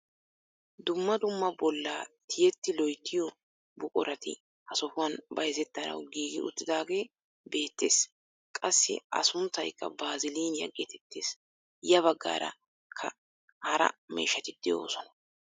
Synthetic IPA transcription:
d̪ʊmːɐd̪ʊmːɐbɔlːaːt̪ʰɪjɛt̪ːɪlɔjt̪ʰːɪjɔ | bʊkʼɔɾɐt̪ɪ̰ | hɐsɔfʊwɐnbɐjzɛt̪ːɐnɐ̰wɡiːɡɪʔʊ̰t̪ːɪd̪aːɡe̞ː | be̞ːt̪ːe̞ːs | kʼɐsːɪ̰ʔɐ̰sʊnt̪ɐjkʼːɐ̰baːzɪliːnjɐ̰ɡːɛt̪ɛt̪ːeːs | jɐβɐɡːa̰ːɾɐ̰ | kʰɐ | hɐɾɐ̰mḛːʃːɐt̪ɪd̪̥ɛjo̞ːsɔnɐ̥

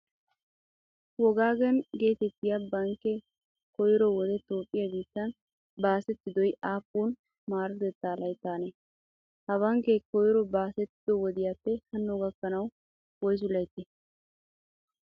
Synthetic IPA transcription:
wɔɡaːɡɛnɡe̞ːt̪ɛt̪ːɪjabɐŋkːɛ | kɔjɾɔwɔd̪ɛt̪oːpʼːɪjɐɡiːt̪ːɐn | baːsɛt̪ːɪd̪ɔjaːpːuːn | maːɾɪd̪ɛt̪ːaːlɐjt̪ːaːne | hɐβɐŋkɛkɔjɾɔbaːsɛt̪ːɪd̪ɔwɔd̪ɪjaːpːɛhɐnːɔɡɐkːɐnɐw | wɔjs̬ʊlɐjt̪ːɛ

